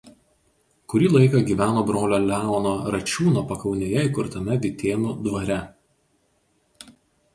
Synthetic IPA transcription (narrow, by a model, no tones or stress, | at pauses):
kʊɾʲiːlˠɐɪkɐɡʲiːʋʲæːnoːbɾoːlʲoːlʲæːɔnoːɾɐt͡ʃʲuːnoːpɐkɒʊnʲeːjɛɪkʊɾt̪ɐmʲɛʋʲɪt̪ʲeːnud̪ʋɐɾʲɛ